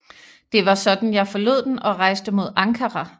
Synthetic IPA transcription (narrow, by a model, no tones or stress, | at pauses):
d̥e̝ʋɑ̈sɒ̽d̥n̩jɑ̈ɪfɒ̽lo̝ð̰ˠd̥enɒ̽ʁɑ̈ɪ̰sd̥əmo̝ð̞̰ˠɑ̈ŋkʰɐʁɑ